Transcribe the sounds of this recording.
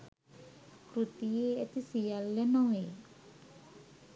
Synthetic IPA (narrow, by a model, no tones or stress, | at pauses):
kɾut̪ijeːɐt̪isijalːenɔʋe